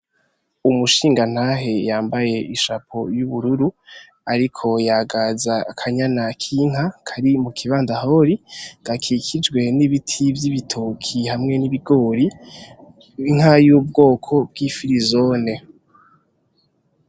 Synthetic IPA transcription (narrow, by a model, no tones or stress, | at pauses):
umuʃiːŋɡan̥haɦe̞jaːmbaje̞iʃapʰo̞juβuɾuɾu | aɾikʰo̞jaɡazakʰaɲanakʰiŋ̥ɦakʰaɾimukʰiβaːndaho̞ɾiɡ̥akʰikʰid͡ʒɡwe̞niβitʰivjiβitʰokʰihamŋe̞niβiɡo̞ːɾi | iŋ̥hajuːb̚ɡo̞ːkʰo̞b̚ɡifiɾizo̞ne̞